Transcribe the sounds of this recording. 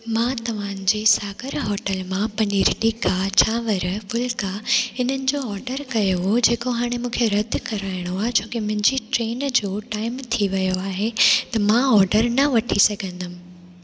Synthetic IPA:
mãːt̪ɐʋ̤ãːnd͡ʑeːsaːɡəɾɦɔːʈəlmãpɐniːɾɗikat͡ɕʰaːʋɐɾfʊlkaɪn̤ənɪ̆d͡ʑoːɔːɾɖəɾkɐjoɦod͡ʑeːkoɦaːɽ̃emũːkʰeɾɐd̪ʱkɐɾaːɪɽ̃oaːɦet͡ɕʰoːkimʊ̃ɦɪ̃ɲd͡ʑiʈɾeːnd͡ʑoːʈaːɪmt̪ʰiʋɐjoaːɦet̪ɐmãɔːɾɖəɾnɐʋɐʈʰisɐɡʱə̃nd̪əmɪ̃

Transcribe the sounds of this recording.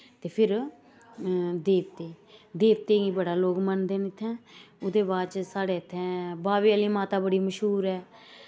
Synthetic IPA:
t̪eːpʰɪɾ | d̪eːpt̪eː | d̪eːp̚t̪eːɡiːbəɽaːloːɡmənd̪eːnɪt̪ʰːɛ̃ːʊd̪eːbaːt͡ʃsaːɽeːət̪ʰːɛ̃ːbaːʋiːaliːmaːt̪aːbəɽiːməʃɦuːɾɛː

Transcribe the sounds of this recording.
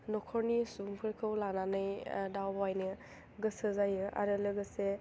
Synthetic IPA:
nɔkʰɔɾnisuŋpʰɯɾkʰɯwlananɯjdawwajnɯ | ɡɯsɯzajɯʔa̰ɾɯlɯɡɯse

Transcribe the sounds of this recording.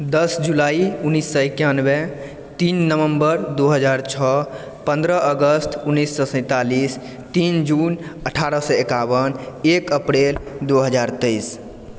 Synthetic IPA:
d̪əsd͡ʒulaiunisːəekjanbɛ | t̪inːəʋəmbəɾd̪oɦəd͡ʒaɾt͡ʃʰɔ | pə̃nd̪ɾəʔəɡəst̪ʰunːisːɔ̃sə̃ɪ̃t̪alis | t̪ind͡ʒunəʈʰaɾəsəekabənekəpɾeld̪oɦəd͡ʒaɾt̪əɪs

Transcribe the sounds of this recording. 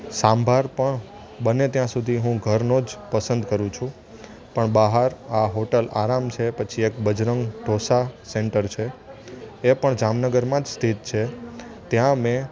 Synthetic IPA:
sambʱaɾpəɳ | ɓənet̪jãsud̪ʱiɦũɡʱəɾnod͡ʒpəsənd̪kəɾũt͡ʃʰũ | pəɳbaɦaɾaɦoʈəla̰ɾamt͡ʃʰepət͡ʃʰiek̚bəd͡ʒɾəŋɡʈosaseɳʈəɾt͡ʃʰe | epəɳd͡ʒamnəɡəɾmãd͡ʒst̪ʰit̪̚t͡ʃʰet̪jãmẽ

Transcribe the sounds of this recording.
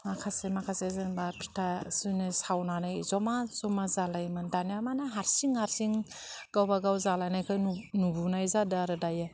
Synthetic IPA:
makʰasemakʰasezɯnbapʰi̥tʰasɯnɯsawnanajzɔmazɔmazalajmɯndanijamanaɦaɾsiŋhaɾsiŋ | ɡ̥awbaɡawzalajnajkʰɯjnubunajzadaɾɯdaje

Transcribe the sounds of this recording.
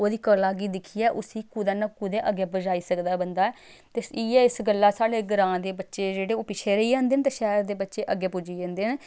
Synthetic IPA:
oːd̪iːkəlaːɡiːd̪ɪkʰiːɛːʔʊsiːkud̪aːnaːkʊd̪eːʔəɡɛːbəd͡ʒaːiːsəkd̪aːbənd̪aːɛː | t̪eːiːɛːɪsɡəlːaːsaːɽeːɡəɾãːd̪eːbətːʃeːd͡ʒeːɽeːoːpɪt͡ʃʰeːɾəiːd͡ʒãːnd̪eːnt̪eːʃɛːɾd̪eːbətːʃeːʔəɡːɛːpʊd͡ʒiːd͡ʒãːnd̪eːn

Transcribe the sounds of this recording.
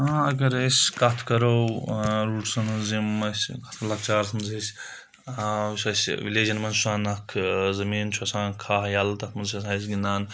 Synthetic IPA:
ãːɐɡɐɾɐsʲkɐt̪ʰkɐɾowɾuːʈsɐnzimɐsʲkɐt̪ʰlɐk̚t͡ʃaːɾsɐmzesʲ | asɐsʲʋileːd͡ʒɐnmɐnsuaːnɐkʰzɐmiːnt͡ʃʰosãːkʰaːɦjɐlt̪ɐkʰmɐnzesãːs̬ɡinaːn

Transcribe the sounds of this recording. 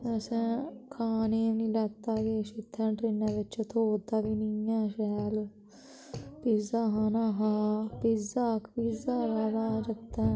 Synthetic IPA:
əsɛ̃ːkʰaːneːnĩːlɛːt̪ːaːɡeːʃɪt̪ʰːɛ̃ːɖɾɪnãːʋɪt͡ʃt̪ʰoːd̪aːʋiːniãːʃɛːl | pizaːɦaːnãːɦaːpizaːkpiːzaːɾaːd̪aːd͡ʒət̪ːãː

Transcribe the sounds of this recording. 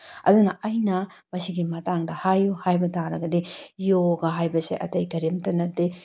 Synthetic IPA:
ɐ̰dunɐɐjnɐ | mɐsiɡimɐtaŋdɐhajuhajbɐtʰaɾɐɡɐdijoɡɐɦajbɐsḛʔɐ̰tɐjkɐɾimtɐnɐte

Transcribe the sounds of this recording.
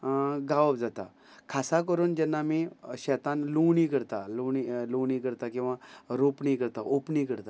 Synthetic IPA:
ɡaʋəbd͡zat̪a̰ | kʰasak̬əɾuːnd͡ʑɛnːamiːɕɛt̪ãnluwɳiːkəɾt̪aluɳiluʋɳ̃iːkəɾt̪akĩw̃ʋaɾopɳiːkəɾt̪aʔopɳikəɾt̪a

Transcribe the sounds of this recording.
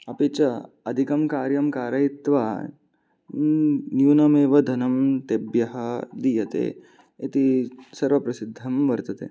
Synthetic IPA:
ɐpit͡ʃɐ | ɐd̪ʱikɐmkaːɾjɐmkaːɾɐit̪ʋaː | njuːnɐmeːʋɐd̪ʱɐnɐmt̪ebjɐɦɐd̪ijɐt̪ḛː | et̪isɐɾʋɐpɾɐsid̪ʱːɐmʋɐɾt̪ɐt̪ḛː

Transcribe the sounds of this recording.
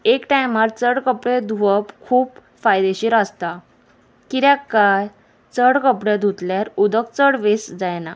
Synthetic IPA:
ekʈajmaɾt͡səɽkəpɽed̪ʱuəpkʰuːp | fajd̪eɕiɾast̪a | kiɾjakːaj | t͡səɽkəpɽed̪ʱut̪ljaɾud̪ək̚t͡səɽʋesd͡zajna

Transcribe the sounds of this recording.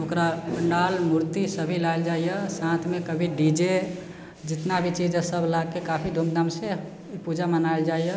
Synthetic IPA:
okɾabəɳɖalmuɾt̪isəbʱilaɪld͡ʒaijəsãt̪ʰmekəbʱiɖid͡ʒe | d͡ʒit̪nabʱit͡ʃid͡ʒsəbʱlaɡkekapʰid̪ʱumd̪amse | ipud͡ʒamənaɪld͡ʒajə

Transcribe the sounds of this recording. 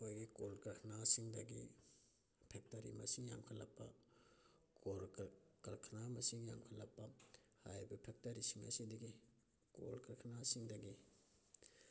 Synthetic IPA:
ojɡikolkɐɾkʰɐnasiŋdɐɡḭ | pʰek̚tɐɾḭmɐsiŋja̰ŋkʰɐlːɐpːɐ | kʰolkkɐɾkʰnamɐsiŋja̰ŋkʰɐlːɐpːɐhajbɐpʰek̚tɐɾisiŋɐ̰sidɐɡi | ko̰lkɐɾkʰnasiŋdɐɡi

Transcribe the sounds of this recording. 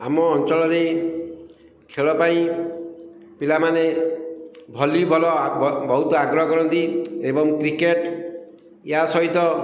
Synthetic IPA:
amɔːnt͡ʃɔɭɔɾe | kʰeɭɔpaĩ | pilamane | bʱɔlibʱɔlɔbʱɔwt̪ɔaɡɾɔɦɔkɔɾɔnt̪iebɔŋkɾikeʈ | jɦasɔɦit̪ɔ

